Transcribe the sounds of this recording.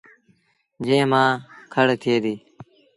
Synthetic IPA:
d͡ʒẽːmãːkʰəɽt̪ʰeːd̪iː

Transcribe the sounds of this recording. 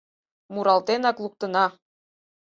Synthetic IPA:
muɾɑlˠt̪enɑklˠuk̚t̪ɤ̆nɑ

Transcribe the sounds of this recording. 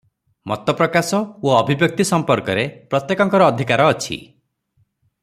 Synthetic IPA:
mɔ̰t̪ɔpɾɔkasɔoɔbʱibjɔk̚t̪isɔmpɔɾkɔɾepɾɔt̪jekɔŋkɔɾɔːd̪ʱikaɾɔːt͡ʃʰḭ

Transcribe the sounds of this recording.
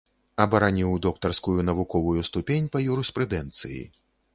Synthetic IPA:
ɐbɐɾanʲiwd̪ɔkt̪ɐrskujunɐvukɔvujust̪upʲenʲpɐjuɾɛspɾɨd̪ɛnt̪sɨjḭ

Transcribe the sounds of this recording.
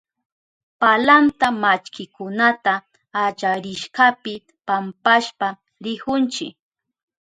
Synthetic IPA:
palant̪amat͡ʃkɪkʊnat̪aː | t͡ʃaɾɪʃɢapɪ | pampaʃpa | ɾɪkʊnt͡ʃɪ̰k

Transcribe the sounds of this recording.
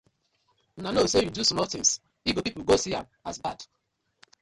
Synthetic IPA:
nanosejudusɔmɔtĩŋs | iɡopipuɡosiã̰masbad̥

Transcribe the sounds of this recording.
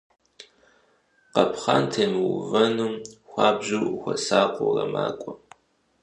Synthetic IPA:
qɐpʰχaːntʰɐmwvɐnumxʷɑːbʑuwxʷɔsaːqʷʼorɐmaːkʷʼɔ

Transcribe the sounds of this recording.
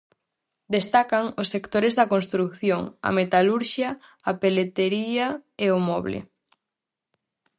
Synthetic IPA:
d̪est̪akɐŋosːekt̪oɾezðɐkonst̪ɾukθjoŋɐ̰met̪aluɾʃjɐː | pelet̪eɾiɐeomɔβlḛ

